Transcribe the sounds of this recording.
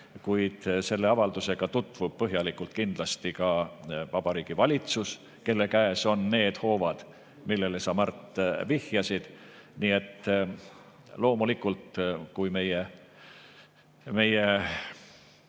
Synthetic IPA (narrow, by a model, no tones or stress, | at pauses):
kujd̪̥se̞lːe̞ɑvɑld̪̥use̞ɡ̥ɑt̪ut̪ːˑvub̥̚pɤɦjɑlikːˑult̪̚kind̪̥lɑst̪ikɑvɑb̥ɑɾiːɡ̥ivɑlʲit̪sus | ke̞lːe̞kæeso̞nːe̞ːd̪̥ho̞ːvɑd̪̥ | milːe̞lesɑmɑrt̪ːˑvihjɑsid̪̥niːe̞t̪ːˑ | lo̞ːmulikːˑult̪kujme̞je | me̞je